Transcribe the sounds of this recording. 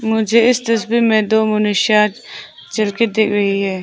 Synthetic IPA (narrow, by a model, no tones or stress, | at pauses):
mʊd͡ʒʱeɪst̪ɐsbikmẽd̪oːmʊnɪʃaːt̪ | t͡ʃɐlked̪eːkʰɾɐɦiɦɛː